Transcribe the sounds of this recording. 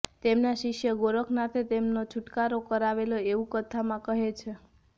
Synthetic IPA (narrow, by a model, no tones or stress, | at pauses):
t̪emnaʃɪʃjəɡoɾəkʰnat̪ʰet̪emnot͡ʃʰuʈkaɾokəɾaʋeloeʋũkət̪ʰamãkəɦet͡ʃʰe